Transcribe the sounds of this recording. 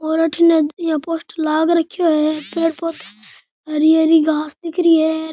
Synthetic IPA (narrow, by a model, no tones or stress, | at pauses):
oːɾɐʈʰinejãːpoːsʈlaːɡɾɐkʰːjoɦɛpeːɽpot̪ʰ | ɐɾieɾiɡʱaːsd̪ɪkɾiɛː